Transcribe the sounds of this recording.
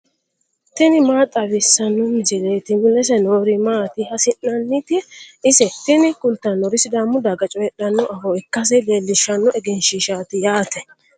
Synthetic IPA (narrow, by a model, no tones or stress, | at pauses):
t̪ɪnɪmaːt̪ʼɐbɪsːɐnːɔmɪd͡ʒɛleːt̪ɪmɪlɛs̬ɛnoːɾɪmaːt̪ɪhɐsɪnːɐnːɪt̪ɪɪsɛt̪ɪnɪkʊlt̪ːɐnːɔɾɪsɪd̪aːmʊd̪aɡɐt͡ʃʼɔjɛɗɐnːɔʔɐfɔɛkːɐs̬ɛleːlːɪʃɐnːɔʔɛɡɛnʃiʃaːt̪ɪjaːt̪ɛ